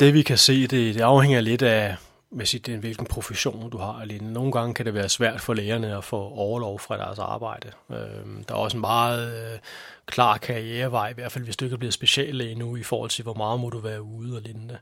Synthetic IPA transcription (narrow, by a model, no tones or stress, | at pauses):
d̥e̝ʋikʰæse̝̰ːd̥e̝d̥e̝ɑ̈ʊheŋ̰ɐle̝d̥æ | ʋesiːd̥eʋe̝lɡ̥n̩pʰʁo̝fəɕo̝̰ːnd̥uhɑ̈lenno̝ːn̩ɡ̥ɑ̈ŋəkʰæɾeʋæːɐsʋæɐ̰d̥fɒ̽leːɐnəɒ̽fɔɒʊɐlɒʊfʁɑ̈d̥æɐsɑ̰̈ːb̥ɑ̈ɪ̰d̥ə | ød̥ɑ̈æɐɒ̽səenmɑ̈ːð̩ˠ | kʰlɑ̰̈ːkʰɑ̈ʁieːɐʋɑ̈ɪ̰iʋæɐ̰̥fæl̰ʋe̝sd̥ue̝ɡ̥æb̥liːð̩ˠsb̥e̝ɕɛ̰ːlenuifɒ̰ːhɒ̽l̰t͡sʰe̝lʋɒmɑ̈ːð̞̩ˠmɔɾ̥uʋæːɐuð̞̩ˠɒlenəd̥e